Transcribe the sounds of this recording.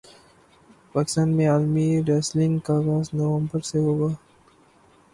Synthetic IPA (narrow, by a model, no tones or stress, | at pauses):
paːkɪst̪ãːnmẽaːlmiɾeslɪ̃ŋɡkaːɡaːsnoʋə̃mbəɾseɦoːɡaː